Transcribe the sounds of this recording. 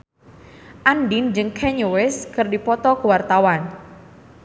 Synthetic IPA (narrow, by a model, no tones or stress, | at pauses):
ʔandind͡ʒɨŋkʰɛɲuwɛskɨrdipɔt̪ɔkəwart̪awan